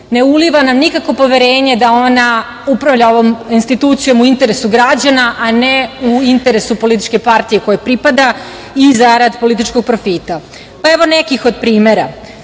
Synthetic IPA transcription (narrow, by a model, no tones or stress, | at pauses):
ne̞uliʋanamnikakʋo̞po̞ʋe̞ɾe̞ːɲe̞d̪ao̞na | upɾaʋʎaoʋominst̪it̪ut̪sijo̞muint̪e̞ɾe̞suɡɾad͡ʑanaʔaneuint̪e̞ɾe̞supo̞lit̪i̥t͡ʃke̞paɾt̪ije̞ko̞jepɾipad̪a | izaɾad̪po̞lit̪̬it͡ʃko̞ɡ̚pɾo̞fit̪a | pae̞ʋo̞ne̞kixo̞d̪̚pɾiːme̞ɾa